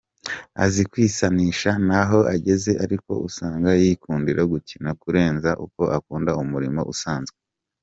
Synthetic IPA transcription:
a̰zikwiːsaniːʃanaɦo̞ʔaɟe̞ze̞ʔaɾiko̞̰ʔusaːŋɡajiːkuːndiɾʔaɡucinakuɾe̞ːnzaʔṵko̞ʔakuːndaumuɾimo̞̰ʔṵsaːnzɡe

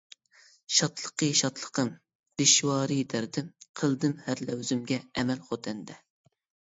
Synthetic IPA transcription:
ʃɑt̪lˠəqəʃɑt̪lˠəqəm | d̪̥ɪʃwɑːɾɨd̪æɾd̪ɪmqʰəlˠd̪ɨmhæɾlɛwzymɡʲɛɛmɛlχot̪ʰɛnd̪ɛ

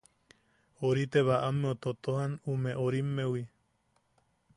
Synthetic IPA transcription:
oɾit̪eβaʔamːeot̪ot̪ohanumẽʔoɾimːewi

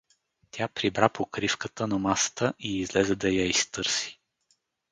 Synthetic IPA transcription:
t̪ʲapɾibɾapokɾifkət̪ənɐmasə̥t̪əʔiːzlɛzɛd̪ɐjaist̪ɤɾsi̥

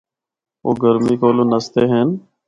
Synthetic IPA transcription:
oːɡəɾmiːkoːlõːnəst̪eːɦeːn

